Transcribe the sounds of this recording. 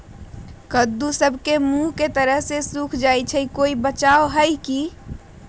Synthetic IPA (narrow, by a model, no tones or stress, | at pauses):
kəd̪ːusəbʱkemuɦket̪əɾəɦsesukʰd͡ʒajt͡ʃʰəikoibət͡ʃaoɦəjki